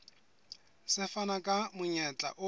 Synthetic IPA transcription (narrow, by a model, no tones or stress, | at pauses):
sɪfanakʼamʊɲɛt͡ɬʼa̰ʔʊ